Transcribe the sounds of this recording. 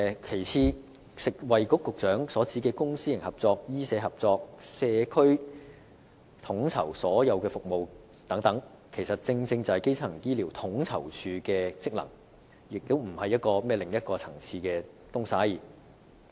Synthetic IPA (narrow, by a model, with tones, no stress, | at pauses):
kʰe˨˩jt͡sʰiː˧ | sɪ˨k̚wɐ˨jkʊ˥kːʊ˨k̚t͡ʃœː˨˥ŋsɔː˨˥t͡siː˨˥kɛː˧kʊ˥ŋsiː˥ɪ˨˩ŋhɐ˨p̚t͡sɔː˧k̚jiː˥sɛː˨˧hɐ˨p̚t͡sɔː˧k̚sɛː˧kʰɵ˥ɥ | t̪ʰʊ˨˥ŋt͡sʰɐ̰˨˩wsɔː˨˥jɐ˨˧wkɛː˧fʊ˨k̚mo˨w | t̪ɐ˨˥ŋt̪ɐ˨˥ŋ | kʰe˨˩jsɐ˨t̚t͡sɪ˧ŋt͡sɪ˧ŋt͡sɐ˨hɐ˨jke˥jt͡sʰɐ˨˩ŋjiː˥liː˨˩wt̪ʰʊ˨˥ŋt͡sʰɐ̰˨˩wt͡ʃʰyː˨˧kɛː˧t͡sɪ˥k̚lɐ̰˨˩ŋ | jɪ˨k̚t̪o˥wm̩˨˩hɐ˨jːɐ˥t̚kɔː˧mɛː˥lɪ˨ŋjɐ˥t̚kɔː˧t͡sʰɐ˨˩ŋt͡sʰiː˧kɛː˧ | t̪ʊ˥ŋsaː˨˥jiː˨˩